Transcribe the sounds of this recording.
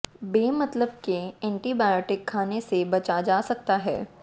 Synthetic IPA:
beːmɐt̪ləb̚keɛ̃ːɳʈibaːjoːʈɪkʰːaːnesebɐt͡ʃad͡ʒaːsɐk̚t̪aɦɛ̰ː

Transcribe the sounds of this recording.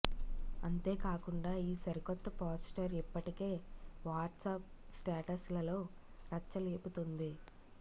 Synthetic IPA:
ɐ̰nt̪e̞ːkaːkuɳɖaːiːsɐɾikɔt̪ːɐpaːsʈɐɾipːɐʈike̞ːʋaːʈsaːp̚sʈaːʈɐslɐlo̞ː | ɾɐt͡ʃːɐle̞ːput̪ond̪i

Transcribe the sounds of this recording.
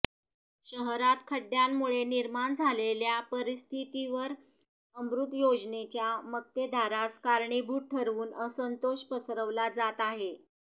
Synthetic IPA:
ɕəɦɾat̪kʰəɖjamːuɭeniɾmaɳd͡zʱaleljapəɾist̪ʰit̪iʋəɾ | əmɾut̪jod͡znet͡ɕjamək̚t̪ed̪ʱaɾaskaɾɳibʱuːʈ̚ʈʰəɾʋuːnəsənt̪oɕpəsɾəʋlad͡zat̪aɦe

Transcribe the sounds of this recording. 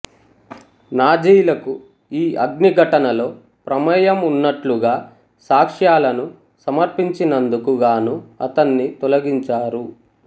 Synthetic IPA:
naːd͡ʒiːlɐku | iːɐɡniɡʱɐʈɐnɐlo̞ː | pɾɐmɐjɐmunːɐʈluɡaː | saːkʂjaːlɐnu | sɐmɐɾpiɲt͡ʃinɐnd̪ukuɡaːnuɐt̪ɐnːit̪ɔlɐɡiɲt͡ʃaːɾu

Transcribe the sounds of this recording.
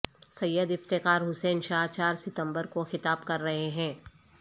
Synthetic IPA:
sɐjːəd̪ɪft̪ɪkaːɾɦʊsɛːnʃaːɦt͡ʃaːɾsɪt̪ə̃mbəɾkoxɪt̪aːbkɐɾːɐɦeɦɛ̃ː

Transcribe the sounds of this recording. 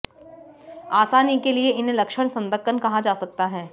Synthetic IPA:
aːsaːnikelieʔɪnɦẽlɐkʃəɽ̃sɐ̃nd̪əkːənkɐɦad͡ʒaːsɐk̚t̪aɦɛː

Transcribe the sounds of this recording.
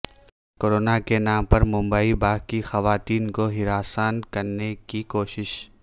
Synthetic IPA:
koːɾoːnakenaːmpɐɾmʊ̃mbəibaːkixɐʋaːt̪iːnkoɦɪɾaːsaːnkɐɾnekikoːʃɪʃ

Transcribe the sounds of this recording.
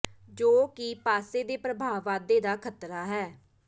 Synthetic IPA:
d͡ʒoːkɪpaːseːd̪eːpɾəbʱaːʋʋaːd̪eːd̪aːkʰət̪ɾaːɦɛː

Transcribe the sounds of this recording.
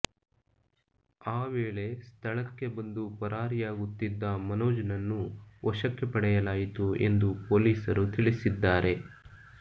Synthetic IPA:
aːʋeːɭe̞st̪ʰɐɭɐkːe̞bɐnd̪upɐɾʔaːɾijaːɡut̪ːid̪ːɐmɐnoːd͡ʒɐnɐnːuʔɔʃɐkːepɐɽɛjɐlaːjit̪ue̞̰nd̪upoːliːsɐɾut̪iɭisid̪ːaːɾe̞

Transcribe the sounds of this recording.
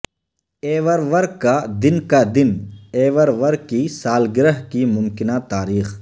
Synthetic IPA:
eːʋəɾʋɐɾkkad̪ɪnkad̪ɪneːʋəɾʋɐɾɡisaːlɡɪɾəɦkimʊmkɪnat̪aːɾiːx

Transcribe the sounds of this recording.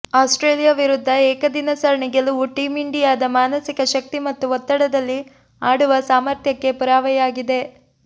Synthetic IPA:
aːsʈɾeːlijaʋiɾud̪ʱːɐɛːkɐd̪inɐsɐɾɐɳiɡɐluuʈiːmiɳɖijaːd̪ɐmaːnɐsikɐʃɐk̚t̪imɐt̪ːuɔt̪ːɐɽɐd̪ɐlːi | aːɽuʋɐsaːmɐɾt̪ʰjɐkːe̞puɾaːʋɐjɐaːɡid̪e̞

